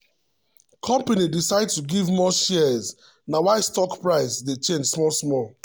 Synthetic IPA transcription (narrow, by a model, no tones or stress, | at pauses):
kʰɔ̃mpanidisaɪd̚tuɡivmɔʃɛz | nawaɪstɔkpɹaɪsdet͡ʃẽnd͡ʒsmɔsmɔl